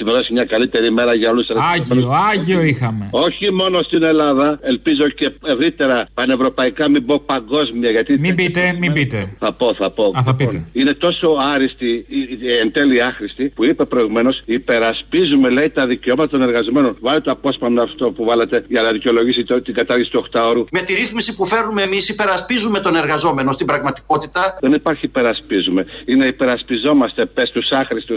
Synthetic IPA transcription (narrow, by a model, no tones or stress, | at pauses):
imeðosimɲɐkɐlit̪e̞ɾime̞ɾɐʝɐo̞luseɾɣɐmenɐʝioixɐmeo̞çimo̞no̞st̪ine̞lɐðɐe̞lpizo̞ce̞e̞vɾit̪e̞ɾɐpɐne̞vɾo̞pɐikɐmibopɐŋɡo̞zmiɐʝɐt̪imibit̪emibit̪eθɐpo̞θɐpo̞θɐpit̪eine̞t̪o̞so̞ɐɾist̪ient̪e̞liɐxɾist̪ipuipe̞pɾo̞iɣume̞no̞sipe̞ɾɐspizume̞leit̪ɐðiceo̞mɐt̪ɐt̪one̞ɾɣɐzo̞me̞no̞nvɐlet̪oɐpo̞spɐmeɐft̪opuvɐlet̪e̞ʝɐnɐðiceo̞lo̞ʝisit̪ot̪iɡɐt̪ɐɾʝisi̥t̪uoxt̪ɐoɾume̞t̪iɾiθmisipufe̞ɾnumeemisipe̞ɾɐspizume̞t̪o̞ne̞ɾɣɐzo̞me̞no̞st̪ibɾɐɣmɐt̪i̥ko̞t̪it̪ɐðenipɐɾçiːpe̞ɾɐspizume̞ineipe̞ɾɐspizo̞mɐst̪e̞pe̞st̪usɐxɾist̪us